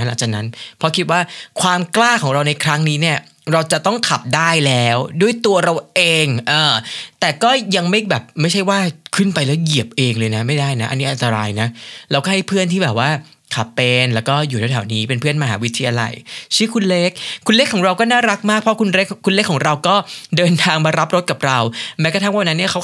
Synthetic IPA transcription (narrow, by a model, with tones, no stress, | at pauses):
la˩˦ŋt͡ɕaː˨˩k̚na˦˥npʰɔ˦˥kʰi˦˥t̪̚waː˥˩kʰwaː˧mklaː˥˩kʰɔː˩˦ŋɾa˧wna˧jkʰɾa˦˥ŋniː˦˥ni˥˩ɐ | ɾa˧wt͡ɕa˨˩ʔt̪ɔ˥˩ŋkʰa˨˩p̚daː˥˩jlɛː˦˥wdu˥˩əjt̪u˧ɐɾa˧wʔeː˧ŋʔɤː˨˩t̪ɛː˨˩kɔː˥˩ja˧ŋma˥˩jbɛː˨˩p̚ma˥˩jt͡ɕʰa˥˩jwaː˥˩kʰɯ˥˩npa˧jlɛː˦˥wji˨˩əp̚ʔeː˧ŋlɤː˧jna˦˥ma˥˩jdaː˥˩jna˦˥ʔa̰˧nːiː˦˥ʔa˧nt̪a˧ɾaː˧jna˦˥lɛ˧wkɔː˥˩a˥˩jpʰɯ˥˩ənt̪ʰiː˥˩bɛː˨˩p̚waː˥˩ | kʰa˨˩pːe˧nlɛː˦˥wkɔː˥˩juː˨˩a˨˩wt̪ʰaː˩˦wniː˦˥pe˧npʰɯ˥˩ənma˧ɦaː˩˦wi˦˥t̪ʰiː˧ʔa˧la̰˧jt͡ɕʰi˦˥˩kʰu˧nle˦˥k̚ʰːu˧nle˦˥kʰːɔː˨˩˦ŋɾa˧wkɔː˥˩naː˥˩ɾa˦˥k̚maː˥˩k̚pʰɾɔ˦˥kʰu˧nɾe˦˥kʰːu˧nle˦˥kʰːɔː˩˦ŋɾa˧wkɔː˥˩dɤː˧nt̪ʰaː˧ŋma˧ɾa˦˥p̚ɾo˦t̪̚ka˨˩p̚ɾa˧wmɛː˦˥kɔ˧˥t̪ʰwa˥˩ʔna˦˥nːi˥˩ɐkʰa˦˥w